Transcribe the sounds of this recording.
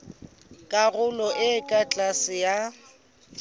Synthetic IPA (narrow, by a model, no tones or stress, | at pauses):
kʼaɣʊlɔʔɪːkʼat͡ɬʼasɪja